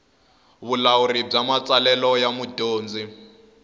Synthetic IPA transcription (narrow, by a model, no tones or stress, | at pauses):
βulaurib͡ʐamat͡sʼalɛlɔjamudoːnd͡zi